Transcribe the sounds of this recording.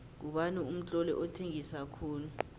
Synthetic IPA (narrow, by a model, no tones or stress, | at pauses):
k̬uɓanuum̩t͡ɬʼɔlɛ̰ʔɔtʰeŋisakʰuːnu